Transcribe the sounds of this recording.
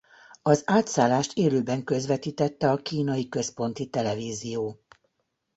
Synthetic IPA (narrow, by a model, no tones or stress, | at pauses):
ɒzaːt̪saːlːaːʃt̪ʰeːløːbɛŋkø̞zʋɛt̪iːt̪ɛt̪ːɛɒkiːnɒjikø̞spo̞n̪t̪it̪ɛlɛviːzijoː